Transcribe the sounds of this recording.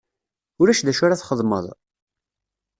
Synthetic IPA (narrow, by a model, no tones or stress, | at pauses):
ʊɾæʃðæʃʊɾaθχəðˤmə̰ðˤ